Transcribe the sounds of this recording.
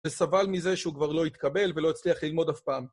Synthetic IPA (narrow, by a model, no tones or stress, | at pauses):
esavalmize̞ʃeukvaʁlo̞it̪kabe̞lve̞lo̞it͡sliaχlilmo̞d̪afpaːm